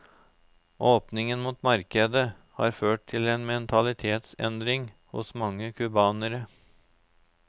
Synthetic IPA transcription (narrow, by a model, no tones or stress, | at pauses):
ʔoːpnɪŋənmuːt̪mɑɾkəd̪ə | hɑ̰ːɾføːʈ̚t̪ʰɪleːnmɛnt̪ʰɑlɪt̪ʰeːt̪sɛ̰nd̪ɾɪŋhʊ̰smɑŋːəkʰʉbɑːnəɾə